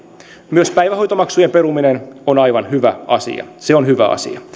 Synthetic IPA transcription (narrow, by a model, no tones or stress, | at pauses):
myøspæjʋæhojt̪omɑksujempe̞ɾuminenonɑjʋɑnhyʋæɑsḭɑ̰seonhyʋæ̰ɑ̰sḭɑ